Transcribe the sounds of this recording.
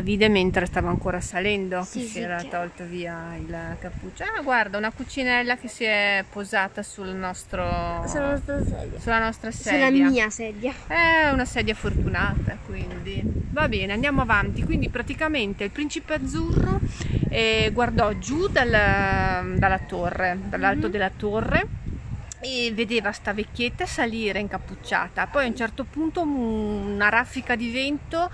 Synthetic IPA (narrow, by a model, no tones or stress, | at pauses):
aviːd̪ement̪ɾest̪aːvaŋkoːɾasalɛnd̪ok̟esiɛːɾat̪ɔlt̪oviːailkapːut͡ʃːoaɡward̪aunakut͡ʃinɛlːakesiɛpozaːt̪asulnɔst̪ɾosolaɔst̪ɾsɛ̰d̪jasulːanɔst̪ɾasɛulːamjaiːasɛd̪jaɛunasɛːd̪jafort̪unaːt̪akwind̪ivabɛːneand̪jaːmoavant̪ikwind̪ipɾat̪ikament̪eilpɾint͡ʃipead̪zːurːoɛɡward̪ɔd͡ʒud̪alːa | d̪alːat̪orːed̪alːalt̪od̪elːat̪orːe | evːed̪eːvast̪avekʲːjet̪ːasaliːɾeiŋkapːut͡ʃːa̰ːt̪apɔjaunt͡ʃɛrt̪opunt̪ounaɾafːikad̪ivɛnt̪o